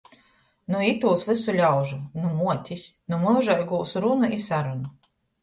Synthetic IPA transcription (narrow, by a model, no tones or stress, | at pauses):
nuit̪uːsvɨsulʲawʒunumuɔt̪ʲisʲnumɨʒajɡuːsɾunuʔisaɾunu